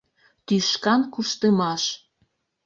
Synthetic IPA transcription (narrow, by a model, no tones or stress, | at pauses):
t̪yʃkɑnkuʃt̪əmɑʃ